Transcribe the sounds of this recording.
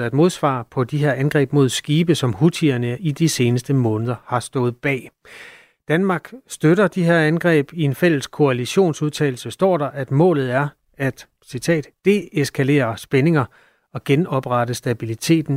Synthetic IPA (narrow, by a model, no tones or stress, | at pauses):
æd̥mo̝ð̞ˠsʋɑ̰̈ːpʰɒ̽d̥iɦe̝ɐ̰ænɡ̥ʁɛ̰ːb̥mo̝ð̞̰ˠsɡ̥iːb̥əsɒ̽mhut͡sʰiɐnəid̥ise̝ːnəsd̥əmɔ̽ːnəð̞ˠɐhɑ̈sd̥ɔ̽ːð̩ˠb̥ɛ̰ː | d̥ænmɑ̈ːɡ̥sd̥øɾɐd̥iɦe̝ɐ̰ænɡ̥ʁɛ̰ːb̥ie̝nfel̰əskʰo̝æliɕo̝̰ːnsuð̞ˠt͡sʰɛ̰ːl̩səsd̥ɒ̰ːɾ̥ɑ̈ʔæd̥mɔ̰̽ːlð̞̩ˠæɐ | æd̥ | sit͡sʰɛ̰ːd̥ːe̝eskʰæle̝̰ːɐsb̥ene̝ŋɐ | ɒ̽ɡ̥enɒ̽b̥ʁɑɾəsd̥æb̥ilit͡sʰe̝̰ːd̥n̩